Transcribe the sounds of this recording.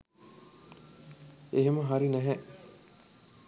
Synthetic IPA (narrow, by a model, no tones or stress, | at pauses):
eɦeməɦaɾinæɦɛ